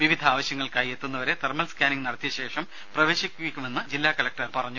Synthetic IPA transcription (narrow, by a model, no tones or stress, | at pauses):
ʋiʋid̪ʱaːʋɐɕjɐŋːɐɭkaːjet̪ːunːɐʋɐɾe̞t̪ermɐlskʲaːniŋnɐɽɐt̪jɐɕe̞ːʂɐm | prɐʋe̞ːɕikʲːuikʲːume̞nːɨd͡ʑilːaːkɐlɐk̚ʈɐrpɐrɐɲːu